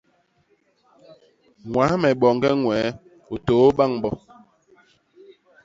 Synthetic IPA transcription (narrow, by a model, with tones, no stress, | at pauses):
ŋwa˨˦mɛ˨ɓɔ˨ŋ˦ɡɛ˦ŋwɛː˨˦ | o˨toː˨˦ba˦˨ŋbɔ˦